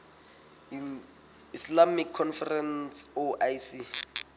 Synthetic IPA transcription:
islamikʰːɔnfɛrɛnsoʔajsi

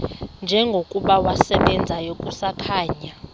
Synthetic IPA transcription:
nd͡ʒʱɛŋɡʱokʼuɓawasɛɓɛnd͡zʱajokʼusakʰaːɲa

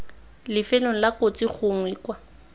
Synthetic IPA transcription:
lɪfɛloŋ̩lakot͡sʼik͡xʰʊŋwiːkwa

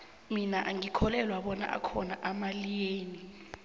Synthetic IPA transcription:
minaʔaŋikʰɔlɛlwaɓɔna̰ʔa̰kʰɔnaʔamalijeːni

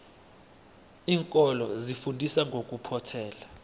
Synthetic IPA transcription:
iːŋkʼɔlɔzifundʱisaŋɡʱokʼupʰɔtʰɛːla

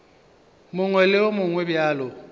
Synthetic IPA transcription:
mʊŋwɛlɪʊmʊŋwɛbjaːlʊ

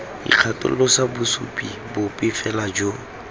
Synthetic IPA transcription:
dḭq͡χʰatʼʊ̰l̩ːɔsabʊsṵpʼḭbʊpʼɪfɛlad͡ʒo

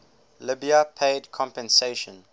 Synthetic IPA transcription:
lɪbiapʰeɪdkʰɔ̃mpɛ̃nseʃə̃n

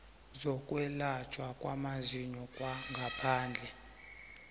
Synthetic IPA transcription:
zɔkʼwɛlat͡ʃʼwakʼwamaziɲɔkʼwaŋɡʱapʰaːnd͡ɮʱɛ

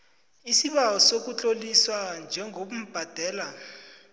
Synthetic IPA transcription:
isiɓawɔsok̬ut͡ɬʼoliswand͡ʒʱɛŋʱoɓum̩b̥ʱad̥ʱɛːla

